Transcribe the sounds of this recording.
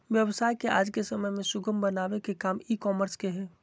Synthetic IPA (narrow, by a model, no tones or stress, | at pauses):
ʋjəʋsaːjkeaːd͡ʒkesəməjmẽsʊɡəmbənaʋekekaːmikɔːməɾskeɦɛː